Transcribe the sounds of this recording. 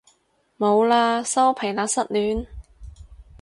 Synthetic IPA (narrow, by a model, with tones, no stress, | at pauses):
mo˨˧wlaː˧sɐ˥wpʰe˨˩jlaː˨˥sɐ˥t̚lyː˨˥n